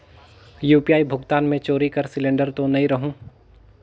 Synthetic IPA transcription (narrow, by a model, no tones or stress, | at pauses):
juːpijaːibʱʊɡt̪aːnmẽt͡ʃoːɾikɐɾsɪlẽːɳɖəɾt̪onɐĩɾɐɦũː